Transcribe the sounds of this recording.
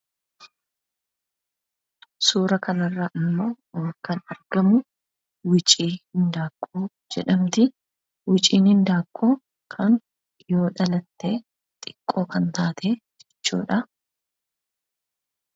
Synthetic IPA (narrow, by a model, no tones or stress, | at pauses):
suːɾɐkɐnɐrːɐʔɪmːo̞ː | kɐnɐɾɡ̥ɐmʊ | wɪt͡ʃʼiːhɪnd̪aːkʼːuː | d͡ʒɛᶑɐmt̪ɪ | wɪt͡ʃʼiːnhɪnd̪aːkʼːuː | kʰɐn | jo̞ːᶑɐlɐt̪ːe̞ː | t̪ʼɪkʼːo̞ːkɐnt̪aːt̪ʰeːd͡ʒɛt͡ʃːṵːᶑɐ